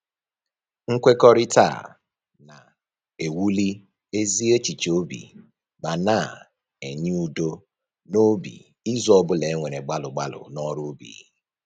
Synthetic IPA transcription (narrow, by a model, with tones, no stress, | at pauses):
ŋ̩˦kʷe˦kɔ˦ɾɪ˦ta̰˦˨ | na˨ | e˨wu˦li˦ | e˦zi˦e˦t͡ʃi˨t͡ʃo˦bḭ˨ | ba˨na˦˨ | e˨ɲɪ˦u˦do˦ | no˦bḭ˨ | i˦zɔ˦bʊ˦le˨˦ŋʷe˨ɾe˨ɡ͡ba˦lʊ˨ɡ͡ba˦lʊ̰˨nɔ˦ɾʊ˦bḭː˨˦